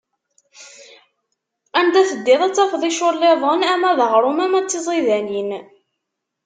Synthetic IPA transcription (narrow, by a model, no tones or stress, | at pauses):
ænd̪æθəd̪ːɪðˤæt͡sːæfðˤiʃolːeðˤənæmæðəʁɾˤʊmæmæt͡sːizˤiðænin